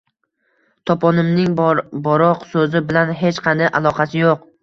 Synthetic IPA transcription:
t̪ʰɒpʰɒnɪmnɪŋbɒɾɒqsɵzɪbɪlanɦet͡ʃqʰɑnd̪aʔalˠɒqʰɑsɪjoq

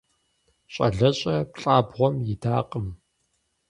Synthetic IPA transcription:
ɕʼɐ̰ɮɐɕʼɐpɬʼaːbʁʷɔmjɪdaːqʼəm

